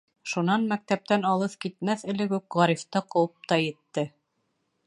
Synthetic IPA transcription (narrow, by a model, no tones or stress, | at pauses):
ʃunɑnmæk̚t̪æp̚t̪ænɑlˠɤθkit̪̚mæθɘ̆lɘɡʉkʁɑɾift̪ɤqɤ̆wɤp̚t̪ɑjɘ̆t̪ːɘ